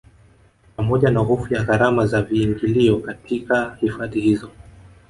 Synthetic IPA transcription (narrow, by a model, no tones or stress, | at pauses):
pamɔʄanaɦɔfujaɣaɾamazaviːŋɡiliɔkatʰikahifaðihizɔ